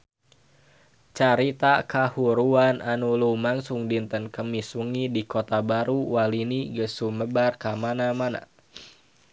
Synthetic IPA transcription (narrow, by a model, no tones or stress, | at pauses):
t͡ʃaɾit̪akahuɾuanʔanulumaŋsuŋdint̪ənkəmiswəŋidikot̪abaɾuwaliniɡəsuməbarkamanamana̰